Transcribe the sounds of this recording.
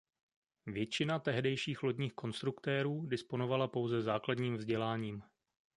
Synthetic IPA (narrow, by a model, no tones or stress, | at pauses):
vjɛt͡ʃɪnat̪ɛɦdɛjʃiːxlo̞ɟɲiːxko̞nst̪ɾukt̪ɛːɾuːdɪspo̞novalapo̞wzɛzaːkladɲiːmvzɟɛlaːɲiːm